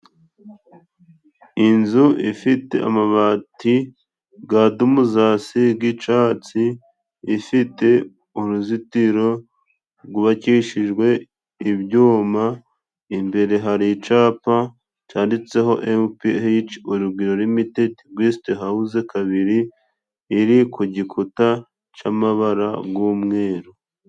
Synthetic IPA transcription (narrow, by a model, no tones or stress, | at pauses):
inzuʔifite̞̰a̰maβaːtʰi | ɡaːdumuzaːsiɡɡit͡ʃaːt͡siː | fite̞ | uɾuzitiɾo̞ | ɾɡuβaciʃiʒɡwe̞ | iβɟuːma | imbe̞ɾe̞ɦaɾit͡ʃaːpa | t͡ʃaːndit͡se̞ɦo̞ʔempihit͡ʃuɾubɡiɾo̞ɾwimitetiɡwisteɦauzekaβiɾiː | ɾikuɟikʰuta | t͡ʃamaβaɾaɡɡwuːmŋe̞ːɾo